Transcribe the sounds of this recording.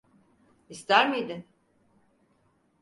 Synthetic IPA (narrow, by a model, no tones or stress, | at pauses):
ist̪ʰæɾmijd̪in